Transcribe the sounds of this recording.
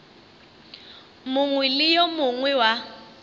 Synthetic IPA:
mʊŋwɛlɪjɔmʊŋwɛwa

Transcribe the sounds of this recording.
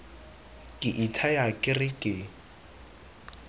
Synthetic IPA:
kʼɪʔitʰajakʼɪrɪkʼɪ

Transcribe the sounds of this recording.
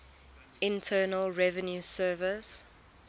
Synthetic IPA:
ɪ̃ntʰɜːnəlɹɛvə̃njusɜːvɪs

